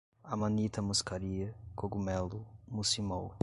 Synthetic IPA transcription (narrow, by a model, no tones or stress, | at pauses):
amanit̪ɐmuskaɾiɐkoɡumɛlʊmusimow